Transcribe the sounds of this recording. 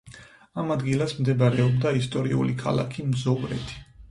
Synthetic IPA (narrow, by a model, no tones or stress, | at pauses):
amad̪ɡilˠasmd̪ɛbaɾɛɔbd̪aist̪ʼɔɾiṵlikʰa̰lˠa̰kʰimzɔvɾɛ̰t̪ʰi̥